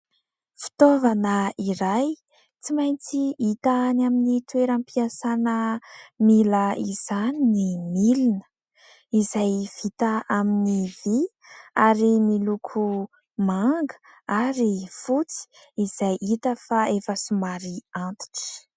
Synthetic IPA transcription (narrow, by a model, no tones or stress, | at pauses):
fi̥t̪ovanəiɾaj | t͡simajnt͡siit̪aːnaminit̪weɾampiasanəmiləiz̥aninimilinə̥ | izajv̥it̪aaminivi | aɾimilukʰu | maŋɡə̥ | aɾifut͡si̥ | iz̥ajʔit̪əfaefəsumaɾiant̪i̥ʈ͡ʂ